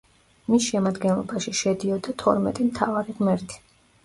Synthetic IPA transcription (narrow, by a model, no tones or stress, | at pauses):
misʃɛmad̪ɡɛnlˠɔ̰baʃiʃɛd̪iɔd̪at̪ʰɔ̰ɾmɛ̰t̪ʼimt̪ʰavaɾiʁmɛɾt̪ʰi̥